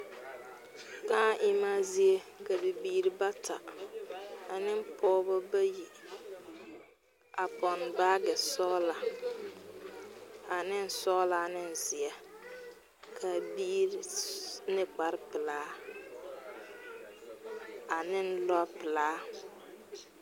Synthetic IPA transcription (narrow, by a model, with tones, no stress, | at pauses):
ka˦ʔɪ˦ma˦zi˦e˦ka˨bɪ˨biː˦ɾi˨ba˦tʰa̰˨ | a˨nɪ˦m˦pʰɔː˦bʊ˦ba˦ji˨ | a˨pɔ˨n˨ba˦ɡɛ˨sɔ˦la˨ | a˨nɪ˦n̩˨sɔ˦la˨nɪ˦n˨zɪ˨a˨ | kʰa˨biː˦ɾi˨nɪ˦k͡pa˨ɾɪ˦pɪ˨laː˦ | a˨nɪ˦n˦lɔ˦pɪ˨laː˦